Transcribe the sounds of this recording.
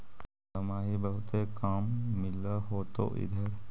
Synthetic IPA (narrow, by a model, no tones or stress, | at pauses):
t̪ɐmaːɦibɐɦʊt̪ekaːmːɪlaɦoːt̪o̰ʔɪ̰d̪ʱəɾ